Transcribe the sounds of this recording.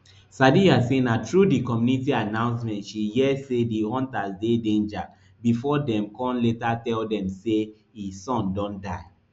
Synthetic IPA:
sadiasẽnatɹudikɔmjunitianãʊ̃nsmɛ̃ntʃijɛsediɔ̃ntazdedẽnd͡ʒa | bifɔdɛ̃mkʰɔ̃nletatɛldɛ̃mse | isɔ̃ndɔ̃ndaɪ

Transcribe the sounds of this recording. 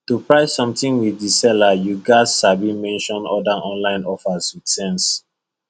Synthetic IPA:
tupɹaɪsɔ̃mtĩnwidisɛlajuɡasabimɛ̃nʃɔ̃nɔdaʔɔ̃nlãɪ̃nɔfaswidsɛ̃ns

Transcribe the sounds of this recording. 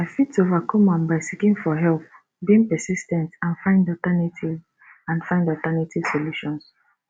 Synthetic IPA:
aɪfitsovakʰɔ̃mãnbaɪsikĩŋfɔɦɛlp̚ | biĩŋpɛsistɛ̃ntãnfãɪ̃ndɔtanitʰiv | ãnfãɪ̃ndɔtanitʰiv̥soluʃɔ̃ns

